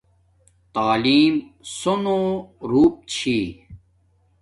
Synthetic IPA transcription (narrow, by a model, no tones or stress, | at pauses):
t̪aːliːmsonõːɾuːp̚t͡ɕʰiː